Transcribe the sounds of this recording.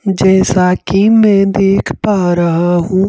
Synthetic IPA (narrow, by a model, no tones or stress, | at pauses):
d͡ʒɛːsakimɛ̃d̪eːkʰpaːɾɐɦaɦũ